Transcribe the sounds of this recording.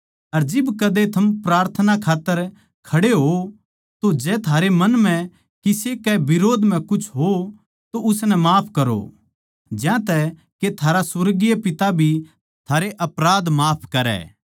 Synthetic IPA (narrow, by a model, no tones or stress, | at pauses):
ɐɾd͡ʒɪbkɐd̪et̪ʰɐmpɾaːɾt̪ʰənakʰaːt̪ːəɾ | kʰɐɽeɦo | t̪od͡ʒɛːt̪ʰaːɾemɐnm̤ɛ̃ | kɪsekɛbɪɾoːd̪ʱm̤ɛ̃kʊt͡ʃʰɦo | t̪oʊsnɛmaːpʰkɐɾo̰ | d͡ʒjãt̪ɛ | ket̪ʰaːɾasʊɾɡijepɪt̪abʱi | t̪ʰaːɾeʔɐpɾaːd̪maːpʰkɐɾɛ̰ː